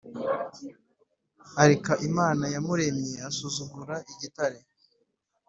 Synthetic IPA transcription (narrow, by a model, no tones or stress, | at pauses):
aɾekaʔimaːnajamuɾe̞mjeasuzuɡuɾaʔiɟitaɾe